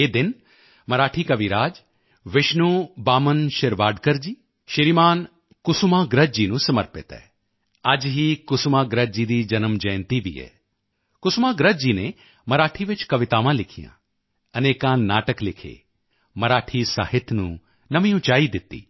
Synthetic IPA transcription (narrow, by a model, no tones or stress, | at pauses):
eːd̪ɪn | mɐɾaːʈʰikɐʋiɾaːd͡ʒ | ʋɪʃnubaːmənʃɪɾʋaːɖkəɾd͡ʒiː | ʃɪɾimaːn | kʊsumãːɡɾəd͡ʒinũsɐməɾpɪt̪ɛ̰ | ad͡ʒɦikʊsumaːɡɾəd͡ʒiːd̪id͡ʒɐnəmd͡ʒɐjnt̪iʋḭːɛ̰ː | kʊsmãːɡɾəd͡ʒiːne | mɐɾaːʈʰiʋɪt͡ʃkɐʋɪt̪aːʋãlɪkʰijã̰ː | ɐneːkãːnaːʈəklɪkʰḛː | mɐɾaːʈʰisa̰ːɦɪt̪ʰːnṵ̃ | nɐmĩũt͡ʃaːid̪ɪt̪ːḭː